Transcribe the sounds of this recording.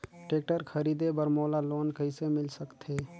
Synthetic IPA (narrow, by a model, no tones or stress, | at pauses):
ʈeːk̚ʈəɾkʰəɾiːd̪ebəɾmoːlaloːnkəsemɪlsəkt̪ʰe